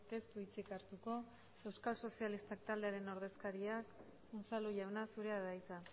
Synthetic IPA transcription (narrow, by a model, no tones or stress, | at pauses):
t̪e̞st̪uit͡sikaɾt̪uko̞ | e̞wskalso̞sialist̪ak̚t̪ald̪e̞aɾe̞no̞ɾðe̞skaɾiak | unsaluʎawnasuɾe̞aðajt͡sa